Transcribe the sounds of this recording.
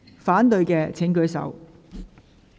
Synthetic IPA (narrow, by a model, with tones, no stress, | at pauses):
faː˨˥nt̪ɵ˧ɥkɛː˧t͡sʰɪ˨˥ŋkɵ˨˧˥ɥsɐ̰˨˥w